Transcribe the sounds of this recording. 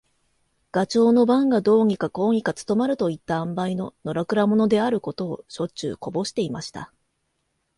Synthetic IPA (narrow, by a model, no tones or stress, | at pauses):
ɡ̥at͡ɕo̞ːno̞bãŋɡad̪o̞ːɲ̟ikako̞ːɲ̟ikat͡sɨ̥t̪o̞maɾɯ̟t̪o̞it̪ːaãmbaino̞no̞ɾakɯ̟ɾamo̞no̞d̪e̞aɾɯ̟ko̞t̪o̞ːɕo̞t͡ɕɨ̰ːko̞bo̞ɕi̥t̪e̞imaɕi̥t̪a̰